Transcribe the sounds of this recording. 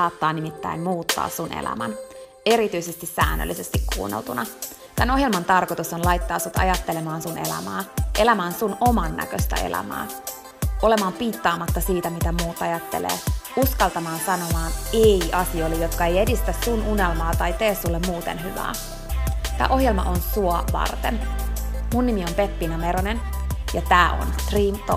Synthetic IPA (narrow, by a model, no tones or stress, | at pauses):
ɑːt̪ːɑːnimit̪ːæ̰immuːt̪ːɑ̰ːsːunḛlæ̰mæn | eɾit̪yisest̪isæ̰ːnːø̰lːise̞st̪ikkːṵːnːḛlt̪unɑ | t̪æno̞ɦjelmɑnt̪ɑrko̞t̪usonlɑjt̪ːɑːsut̪ɑ̰jɑt̪ːele̞mɑːnsune̞̰læ̰mæːʔe̞læmæːnsuno̞mɑnːæ̰køst̪æ̰e̞̰læ̰mæ̰ː | ʔo̞le̞mɑːmpiːt̪ːɑːmɑt̪ːɑsiːt̪æmit̪æmuːt̪ɑjɑt̪ːḛlḛːuskɑlt̪ɑmɑːnsɑno̞mɑːneiʔɑsio̞ilːejot̪kɑe̞jedist̪æsːununelmɑːt̪ɑjt̪eːsːulːemmuːt̪ḛnɦyʋæ̰ː | t̪æ̰ːʔo̞hjelmɑ̰ʔonsuoʋɑ̰rt̪ḛn | munːimiompepːinɑmeɾonenjɑt̪æːʔo̰nt̪riːmt̪o